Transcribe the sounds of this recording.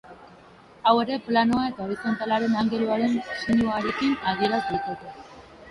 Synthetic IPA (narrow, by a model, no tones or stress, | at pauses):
awe̞ɾe̞planoae̞t̪aβiko̞nt̪alaɾe̞naŋɡe̞luaɾe̞nsenjioaɾe̞kinaðie̞ɾazet̪et̪e